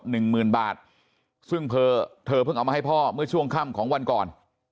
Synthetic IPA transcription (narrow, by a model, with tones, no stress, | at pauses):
nɯ˨˩ŋmɯː˨˩nbaː˨˩t̪̚ | sɯ˥˩ŋpʰɤː˧t̪ʰɤː˧pʰɯ˥˩ŋʔa˧wmaː˧˩a˥˩pʰɔː˥˩mɯ˥˩ɐt͡ɕʰu˥˩əŋkʰa˥˩mkʰɔː˩˦ŋwa˧nkɔː˨˩n